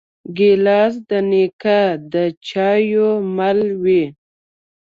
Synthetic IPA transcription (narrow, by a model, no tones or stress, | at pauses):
ɡelɑsd̪ənekad̪ət͡ʃɑjomalwi